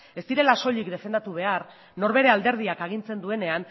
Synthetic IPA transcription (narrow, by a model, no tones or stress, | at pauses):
e̞st̪iɾe̞laso̞ʎikd̪e̞fe̞nd̪at̪uβ̞e̞ar | no̞ɾβe̞ɾe̞ald̪e̞ɾð̞iakaɣ̞int͡se̞nd̪ue̞ne̞an